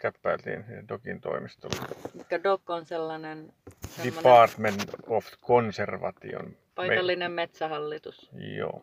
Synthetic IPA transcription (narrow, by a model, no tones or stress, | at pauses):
kæpːæilt̪ḭːnsidokint̪o̰imist̪o̰lːemikːædokːonselːɑnensdeimːopɑːrt̪menoft̪konserʋɑ̰t̪ḭo̰n | pɑieɑlːinemmet̪sæhɑlːit̪usjo̰ː